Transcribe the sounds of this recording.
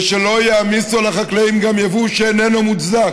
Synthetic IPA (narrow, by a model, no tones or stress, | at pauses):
ʃelo̞jaːmisulaχaklaimɡamjavuʃeenenomutzak